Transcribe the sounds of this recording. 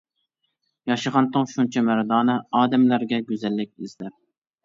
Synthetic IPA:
jɑʃɨʁɑnt̪ʰɨŋʃunt͡ʃʰɛmæɾd̪ɑːnɨɑːd̪ɛmlæɾɡʲɛɡʲøzɛlːɪk̚ʲizlæɾ

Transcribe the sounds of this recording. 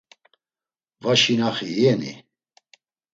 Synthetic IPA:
vaʃinaχiɛnḭ

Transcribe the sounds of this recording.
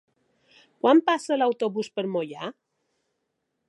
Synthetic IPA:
kwampasəlawt̪oβuspəɾmoʎa

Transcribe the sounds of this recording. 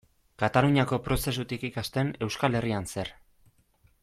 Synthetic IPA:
kat̪aluɲako̞pɾo̞se̞s̬ut̪ikikast̪e̞ne̞wskale̞rianse̞ɾ

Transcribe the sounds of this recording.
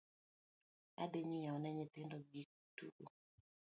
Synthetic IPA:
a̰deɲijaɔnɛɲɪt̪ɪndɔɡik̚ | tṵʔo

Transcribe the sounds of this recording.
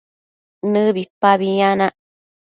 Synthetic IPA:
nɨbipaβiɲanaʔ

